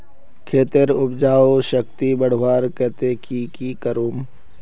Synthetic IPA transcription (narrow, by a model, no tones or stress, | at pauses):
kʰeːt̪eɾʊbd͡ʒaːoʃəkt̪ibəɽ̤ʋaːɾkɛːt̪eːkikiːkəɾuːm